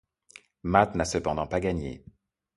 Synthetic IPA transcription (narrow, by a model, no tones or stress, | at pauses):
mat̪nasəpɑ̃d̪ɑ̃paɡaɲḛ